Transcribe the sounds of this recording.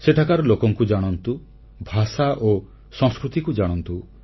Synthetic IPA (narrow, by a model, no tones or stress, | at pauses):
set̪ʰakaɾɔlokɔŋkud͡ʒaɽ̃ɔnt̪u | bʱasaʔo | sɔ̃ŋskɾut̪ikud͡ʒaɽ̃ɔnt̪u